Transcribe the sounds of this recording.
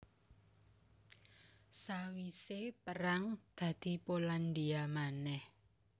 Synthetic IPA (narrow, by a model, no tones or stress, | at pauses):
sawisepəɾaŋd̪̥ä̤d̪̥i̤poland̪iamanɛh